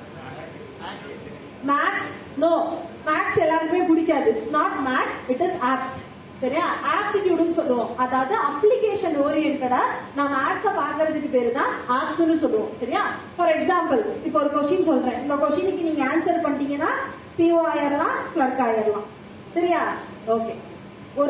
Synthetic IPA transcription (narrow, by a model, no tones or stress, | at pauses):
maːks | noːmaːksɛlːaːɾɯmeːkʊɽɪkʲːaːðɯɪʈsnaːʈmaːkɪʈɪzaːps | sɐɾɪjaːaːpsɪkːuɽɐnːɯsɔlːɐʋõːɐðaːʋɐðɯɐplɪkeːʂɐnoːɾiɪɾɯkːɐðaːnãːmɐaːʈsapaːɾkɐɾɐðɯkːɯpeːɾɯt̪ãːaːpsɐnːɯsɔlːɐʋõ̰ːsɐɾɪjaː | fɔɾɛksãːmpɐlɪpːoɔɾɯkɔʂɪnsɔlːɾẽːɪnd̪ɐkɔʂɪnɪkːɯniːŋɡɐaːnsɐɾpɐɳɖiːŋɡɐnːaː | pioaːjɐɾlãːklɐɾkaːjɐɾlãː | sɐɾɪjaː | oːkeː | ɔɾ